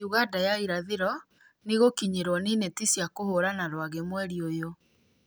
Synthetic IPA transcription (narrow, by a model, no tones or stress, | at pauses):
uɣadajaiɾaðeɾɔ | niɣokiɲeɾwɔniːnetisjakohoɾanaɾwaɣemwɛɾiojo